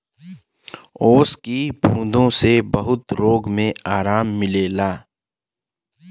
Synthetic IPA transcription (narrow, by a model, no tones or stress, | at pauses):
oːskibʱũːd̪ʱõsebɐɦʊt̪ɾoːɡmẽaːɾaːmːɪleːlaː